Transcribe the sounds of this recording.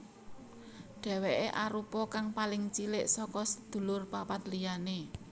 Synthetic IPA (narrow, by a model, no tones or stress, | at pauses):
ɖ̥ɛ̤weʔeʔaɾupɔkaŋpalɪŋt͡ʃilɪʔsɔkɔsə̥d̪̥ṳlʊrpapat̪lijane